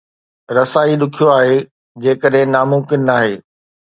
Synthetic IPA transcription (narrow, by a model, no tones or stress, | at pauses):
ɾɐsaːiɗʊkʰijoaːɦeː | d͡ʑeːkəɗɦɪ̃naːmʊ̃mkɪnːaːɦeː